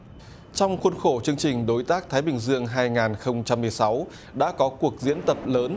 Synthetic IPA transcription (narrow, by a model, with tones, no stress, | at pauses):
t͡ɕɔ˧wŋ͡mxwə˧nxo˧˩t͡ɕɨ˧əŋt͡ɕï˨˩ŋ̟ɗo˨˦jt̪aː˦˥k̚t̪ʰaː˨˦jɓï˨˩ŋ̟zɨ˧əŋɦaː˧jŋaː˨˩nxə˧wŋ͡mt͡ɕa˧mːɨ˨˩əjsa˨˦w | ɗa̰ː˧˥kɔ˨˦ku˨˩ək̚zḭ˧˥ənt̪ə˨˩p̚ləː˨˦n